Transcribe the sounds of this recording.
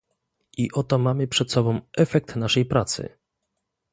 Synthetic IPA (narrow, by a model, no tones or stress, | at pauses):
iʔɔt̪ɔmamɘpʂɛt̪sɔbɔ̃w̃ʔɛfɛk̚t̪naʂɛjpɾat̪sɘ̰